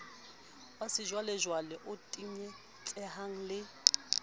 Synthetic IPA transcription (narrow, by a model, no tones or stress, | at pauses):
wasɪʒwalɛʒwalɛʔʊtʼiɲɛ | t͡ɬʼɛhaŋ̩lɪ